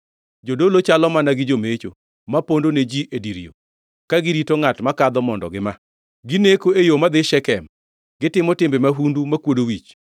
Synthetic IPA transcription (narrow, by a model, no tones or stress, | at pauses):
d͡ʒodolot͡ʃalɔmanaɡɪd͡ʒomet͡ʃo̰ | mapondoned͡ʒiʔediɾḭo̰ | kaɡɪɾitoŋatmakad̪ɔmɔndɔ̰ɡɪma | ɡɪnekoejomad̪ɪʃɛkɛm | ɡ̥ɪtɪmɔtɪmbemaɦundumakwodowit͡ʃ